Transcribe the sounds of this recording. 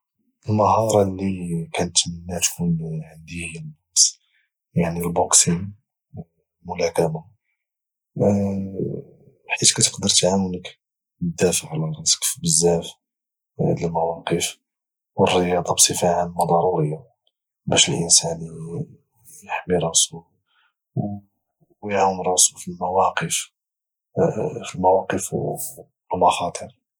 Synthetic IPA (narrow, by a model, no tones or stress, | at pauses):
əlməɦɑɾˤɑlːikænət̪mənːæt̪kunʕənd̪ihnɑqs | jaʕnilboksin | mʊlækæma | ħit̪kæt̪ə̥qd̪əɾˤt̪ʕawənək | əd̪æfəʕlærˤɑskfbəzːæf | ləlmæwɑqəf | wərːəjɑd̪ˤɑbsˤəfaʕanlmɑd̪ˤɑɾˤuɾəjːa | bæʃəlʔənsæn | jəħmiɾˤɑsu | w | wjʕawənɾˤɑsufilmæwɑqəf | filmawɑqəf | lmɑxɑt̪ˤʰəɾ